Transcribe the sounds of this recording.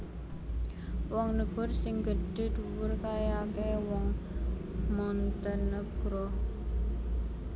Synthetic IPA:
wɔŋnəɡ̥ɔ̤rsɪŋɡəɖ̥e̤d̪uwʊrkajakewɔŋ | mɔnt̪ənːəɡ̥ɾɔh

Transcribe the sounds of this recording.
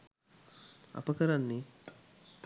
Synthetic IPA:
a̰pəkəɾanːi

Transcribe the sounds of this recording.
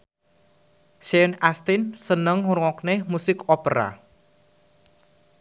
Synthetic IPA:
ʃɛnast̪insənəŋuɾŋɔknemusɪkopəɾa̰

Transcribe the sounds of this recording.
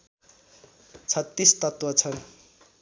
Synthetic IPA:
t͡sʰʌt̪ːist̪ʌt̪wʌt͡sʰʌn

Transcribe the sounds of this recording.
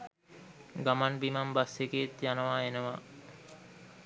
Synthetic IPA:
ɡamanbimambaseɡeet̪janəʋaːenəʋaː

